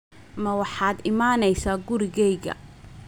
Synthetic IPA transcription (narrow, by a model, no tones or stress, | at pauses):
mɐwɑħɑːd̪ɪmaːnɛjsaːɡʊɾɪɣɛjɣɐ̰